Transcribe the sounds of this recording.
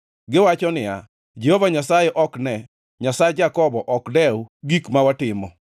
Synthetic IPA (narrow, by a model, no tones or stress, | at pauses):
ɡɪwat͡ʃɔnɪja | d͡ʒɛhɔvaɲasajɛʔɔknɛ | ɲasajɛd͡ʒakɔbɔʔɔkdɛwɡikmawatɪmɔ